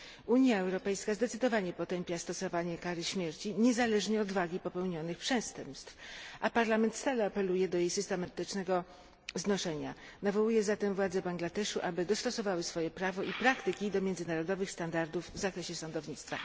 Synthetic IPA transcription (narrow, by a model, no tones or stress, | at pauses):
uɲjaɛwɾɔpɛjskazd̪ɛt̪sɘd̪ɔvaɲɛpɔt̪ɛmpʲjast̪ɔsɔvaɲɛkaɾɘɕmʲjɛɾt͡ɕiɲɛzalɛʐɲɛɔd̪vaɡʲipɔpɛwɲɔnɘxpʂɛst̪ɛmpst̪fʔapaɾlamɛnt̪st̪alɛapɛlujɛd̪ɔjejsɘst̪ɛmat̪ɘt͡ʂnɛɡɔ | znɔʂɛɲa̰navɔwujɛzat̪ɛmvwad̪zɛbaŋɡlad̪ɛʂuʔabɘd̪ɔst̪ɔsɔvawɘsfɔjɛpɾavɔipɾakt̪ɘkʲid̪ɔmʲjɛnd̪zɘnaɾɔd̪ɔvɘxst̪and̪aɾd̪uvːzakɾɛɕɛsɔnd̪ɔvɲit̪st̪fa̰